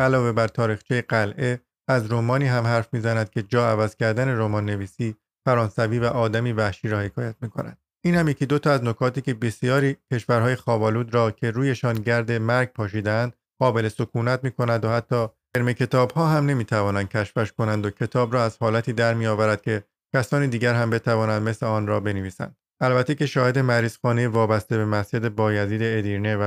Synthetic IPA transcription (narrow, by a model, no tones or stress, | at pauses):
ʔælɒːve̞bæɾt̪ʰɒːɾiːxt͡ʃʰijeɡælʔe̞ | æzɾo̞mɒːniːɦæmɦæɾfmiːzænæd̪̚cʰe̞d͡ʒɒːævæz̥cʰæɾd̪æne̞ɾomɒːnːe̞viːsiː | fæɾɒːnsæviːvæʔɒːd̪æmiːvæhʃiːɾɒːhe̞kʰɒːjæt̪̚miːkʰo̞̰næ̰nd̪̥ | iːnhæmje̞cʰiːd̪o̞t̪ʰɒæzno̞kʰɒːt̪iːce̞be̞sijɒːɾiːcʰe̞ʃfæɾɦɒːje̞xɒːbɒːluːd̪ɾɒːcʰe̞ɾuːje̞ʃɒːnɟæɾd̪e̞mæɾɡ̚pʰɒːʃ̬iːd̪eænd̪̥ | ɢɒːbe̞le̞so̞kʰuːnæt̪̚miːkʰo̞nænd̪ohæt̪ʰːɒː | eɾme̞cʰe̞t̪ʰɒːbhɒːɦæmne̞miːt̪ʰævɒːnænd̪̚cʰʲæʃfæʃko̞nænd̪ocʰe̞t̪ʰɒːbɾɒːæz̥hɒːlæt̪ʰiːd̪æɾmijɒːvæɾæd̪̥̚cʰe̞ | cʲʰæsɒːniːd̪iːɡɟæɾɦæmbe̞t̪ʰævɒːnænd̪me̞sleɒːnɾɒːbe̞neviːsæ̰nd̪̥ | ælbæt̪ʰːece̞ʃɒːhe̞d̪e̞mæɾiːzxɒːnejevɒːbæst̪e̞be̞mæsd͡ʒe̞d̪e̞bɒːjæziːd̪e̞ːd̪iːɾnevæ